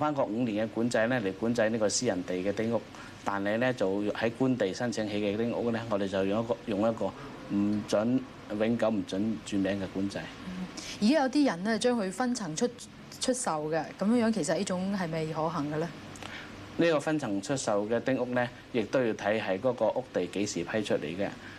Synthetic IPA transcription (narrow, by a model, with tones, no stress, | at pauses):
faː˥nkɔː˧k̚ŋ̩˨˧niː˨˩nkɛ˧kuː˨˥nt͡sɐ˧jlɛː˥le˨˩jkuː˨˥nt͡sɐ˧˥jniː˥kɔ˧siː˥jɐ˨˩nt̪e˨jkɛː˧t̪ɪ˥ŋʊ˥k̚ | t̪aː˨nhɐ˨jlɛː˥t͡sɐ˨whɐ˨˥jkuː˥nt̪e˨jsɐ˥nt͡sʰɪ˨˥ŋɦe˨˧˥jkɛ˧t̪ɪ˥ŋʊ̰˥k̚nɛː˥ŋɔː˨˧d̪e˨jt͡sɐ˨wjŋjɐ˥tkɔː˧jʊ˨ŋjɐ˥t̚kɔː˧ | m̩˨˩t͡sɵ˨˥n | wɪ˨˥ŋkɐ˨˥wm̩˨˩t͡sɵ˨˥nt͡ʃyː˨˧mɛː˨˥ŋkɛ˧kuː˨˥nt͡sɐ˧j̩˥jiː˨˩kaː˥jɐ˨˧wt̪̬iː˥jɐ˨˩nnɛː˥t͡ʃœː˥ŋhɵ˧ɥfɐ˥nt͡sʰɐ˨˩ŋt͡ʃʰɵ˥t̚ | t͡ʃʰɵ˥t̚sɐ˨wɡɐ˧kɐ˨˥mjŋjœː˨˥ŋkʰe˨˩jsɐ˨t̚liː˥t͡ʃʊ˨˧˥ŋɦɐ˨jmɐ˨jɦɔː˨˥ɦɐ˨˩ŋɡɐ˧lɛ˥ | niː˥kɔː˧fɐ˥nt͡sʰɐ˨˩ŋt͡ʃʰɵ˥t̚sɐ˨wkɛː˧t̪ɪ˥ŋʊ˥k̚nɛː˥ | jɪ˨k̚t̪o˥wjiː˧wt̪ʰɐ˨˥jɦɐ˨˥jkɔː˨˥kɔː˧ʔʊ˥k̚t̪e˨jke˨˥jsiː˨˩pʰɐ˥jt͡ʃʰɵ˥t̚lḛ˨˩jkɛ̰˧